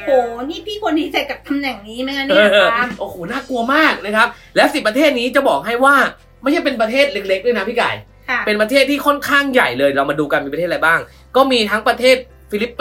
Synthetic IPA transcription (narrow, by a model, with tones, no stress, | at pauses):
hoː˨˩niː˥˩pʰiː˥˩kʰo˧nːi˦˥se˨˩t̪̚ka˨˩p̚t̪ʰa˧mnɛ˨˩ŋniː˨˦˥ma˦˥ka˧˥nː˥˧ɤː˧ʔoː˨˧˩hoː˨˩naː˥˩ku˧ɐmaː˥˩k̚na˦˥kʰa˦˥p̚ | lɛː˦˥wsi˨˩pɾt̪ʰeː˥˩t̪̚niː˦˥t͡ɕa˨˩bɔː˨˩k̚ɦa˥˩jwaː˥˩ | ma˥˩jt͡ɕʰa˥˩pe˧npɾa˧t̪ʰeː˥˩t̪̚le˦˥k̚le˦˥k̚du˥˩jna˦˥pʰiː˥˩ka̰ː˨˩jʰ | pe˧npɾʰeː˥˩t̪ʰːiː˥˩kʰɔ˥˩nkʰaː˥˩ŋja˨˩jlɤː˧jɾa˧wmaː˧duː˧ka˧nmiː˧pa˧tʰeː˥˩˨jbaː˥˩ŋ | kɔː˥˩miː˧t̪ʰa˦˥ŋpɾa˧t̪ʰeː˥˩t̪̚ | fi˧˥li˦˥pː